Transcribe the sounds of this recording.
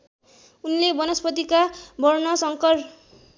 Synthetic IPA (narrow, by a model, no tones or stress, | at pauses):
unlebʌnʌspʌt̪ikabʱʌrnʌsʌŋkʌr